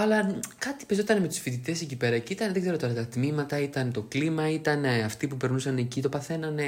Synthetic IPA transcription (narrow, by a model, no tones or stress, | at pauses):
ɐlɐkɐt̪i̥pezo̞t̪ɐneme̞t̪u̥sfit̪it̪e̞secipe̞ɾɐcit̪ɐnðeɡze̞ɾo̞t̪o̞ɾɐt̪ɐt̪mimɐt̪ɐit̪ɐnt̪o̞klimɐit̪ɐneɐft̪ipupe̞ɾnusɐnecit̪o̞pɐθe̞nɐne